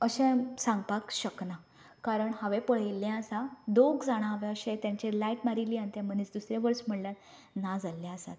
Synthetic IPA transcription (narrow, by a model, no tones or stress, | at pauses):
əɕɛ̃sãŋɡ̚pakɕəkna | kaɾəɳhaʋẽpəɭeljɛ̃əsãd̪oɡd͡zaɽ̃ãɦaʋɛ̃əɕɛ̃t̪jãɲt͡ɕelaiʈmaɾiliãnt̪jɛ̃m̤ənet͡sd̪usɾẽʋəɾsm̤əɽlat̪ | nad͡zalːjɛ̃əsa̰t̪